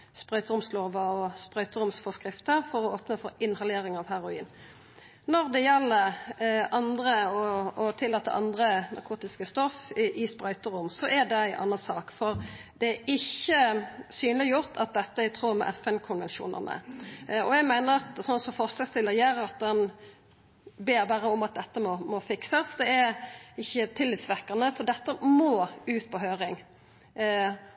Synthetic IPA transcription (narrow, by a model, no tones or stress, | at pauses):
spʁœʏt̪əʊmsloːʋɑɔspʁœʏt̪əɾʊmsfɔskʁɪft̪əfɔʁɔoːpnəfɔɾɪnhɑleːɾɪŋɑʋhæɾʊḭːn | nɔʁd̪ɛjɛlːəʁɑnd̪ʁəɔːt̪ʰɪlːɑːt̪ːə̰ʔɑ̰nd̪ʁənɑ̰ʁkʰuːt̪ɪskəst̪ɔfʔɪspɾœʏt̪əɾʊmsɔʔɛd̪ɛæɪʔɑ̰nːɑsɑːkfɔʁd̪ɛæɪçəsyːnlɪjʊʁt̪ʰɑt̪̚d̪ɛt̪ːəæt̪ʰɾuːɾmɛ̰ʔɛfɛnkʰʊnʋɛnʃṵːnə̰nə̰ɔæɡmæɪnəʁɑt̪sɔnsɔmfɔʁslɑst̪ɪlːəʁjæɾɾɑt̪̚d̪ɛn | beːɾbæːɾəɔmɑt̪̚d̪ɛt̪ːəmɔmɔfɪksəsd̪ɛæɾɪçːət̪ʰɪlːɪt̪sʋæʁkɑnəfɔʁd̪ɛt̪ːəmoːʉːt̪̚pʰɔɦøːɾɪŋ